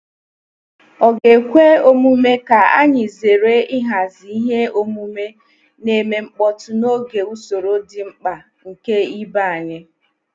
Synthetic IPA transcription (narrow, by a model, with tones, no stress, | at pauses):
ɔ˨ɡe˨kʷe˦o˦mu˦me˦ka˨a˦ɲɪ˨ze˨ɾe˦ɪ˦ɦa˨zi˨i˦ɦe˦o˦mu˦me˦ | ne˨me˨ŋ͡m̩˦k͡pɔ˦tʊ˦no˦ɡe˨u˦so˨ɾo˦dɪ˨ŋ͡m̩˦k͡pa˨ | ŋ̩˨ke˦i˦ba˦˨a˨ɲe˦